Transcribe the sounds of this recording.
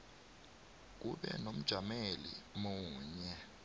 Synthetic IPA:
k̬uɓɛ̰nom̩d̥ʒ̥ʱamelḭmuːɲɛ

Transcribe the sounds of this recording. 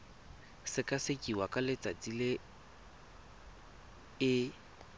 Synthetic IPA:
sɪkʼasɪkʼiwakʼalɪt͡sʼat͡silɪ | ɪ

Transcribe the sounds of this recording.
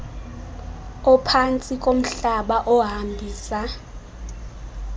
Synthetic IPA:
ɔpʰant͡sʼikʼom̩ɬaɓaʔɔɦambʱiːsa

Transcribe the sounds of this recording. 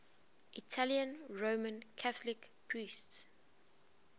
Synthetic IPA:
ʔitʰaljə̃nɹomə̃nkʰaθəlɪkpʰɹiːsts

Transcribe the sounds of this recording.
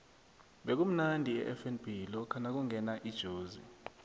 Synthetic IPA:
ɓɛk̬um̩nandʱiɛ̰ʔɛfɛnb̥ʱilɔkʰanak̬uŋɛnaʔid̥ʒ̥ʱoːzḭ

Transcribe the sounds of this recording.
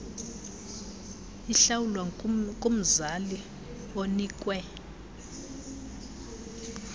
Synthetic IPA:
iɬawulwakʼom̩zali | oniːkʼwɛ

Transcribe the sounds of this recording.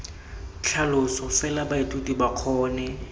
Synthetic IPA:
t͡ɬʰalʊsɔfɛlabaetʼutʼibaq͡χʰɔːnɛ

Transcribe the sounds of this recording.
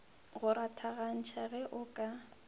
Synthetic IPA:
ɣʊɾatʰaɣan̩t͡ʃʰaɣɛʔʊkʼa

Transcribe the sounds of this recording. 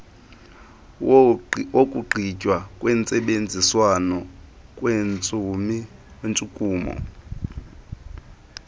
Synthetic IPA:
okʼuɡ͡ǃʱicʼwakʼwɛːnt͡sʼɛɓend͡zʱiswanɔkʼwɛnt͡sʼumiwent͡sʼukʼuːmɔ̰

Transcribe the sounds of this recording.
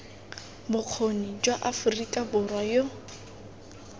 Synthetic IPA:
bʊq͡χʰonid͡ʒwaʔafʊrikʼabʊrwajo

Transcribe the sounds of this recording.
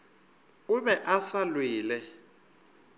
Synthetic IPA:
ʊβɛʔasalwɪːlɛ

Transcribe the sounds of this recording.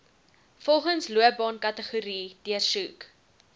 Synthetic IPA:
fɔlˠχənsluəbɑːnkɐtəχuɾiːdiərsuk

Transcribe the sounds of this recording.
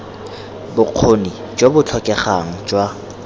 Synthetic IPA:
bʊq͡χʰoni | d͡ʒobʊt͡ɬʰɔkʼɛχaŋ̩d͡ʒwa

